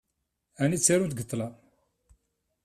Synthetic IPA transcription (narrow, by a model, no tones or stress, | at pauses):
ænit͡sːiɾunt̪ɡət̪ˤːlɑ